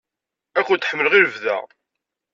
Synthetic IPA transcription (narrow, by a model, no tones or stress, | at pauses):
ækʷːʊt̪ːħəmːələʁiɾvðæ̰